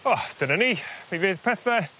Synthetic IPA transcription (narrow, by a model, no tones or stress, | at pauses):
ɔd̪̥ənənipʰevɪːð̥pʰɛθɛ